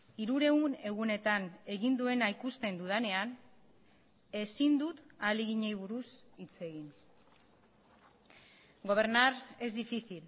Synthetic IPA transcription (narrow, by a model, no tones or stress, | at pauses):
iɾuɾe̞une̞ɣune̞t̪ane̞ɣind̪ue̞naijkust̪e̞nd̪uð̞ane̞an | e̞sind̪ut̪aliɣiɲe̞jβuɾusit͡se̞ɣin | ɡo̞β̞e̞ɾnaɾe̞zd̪ifiθil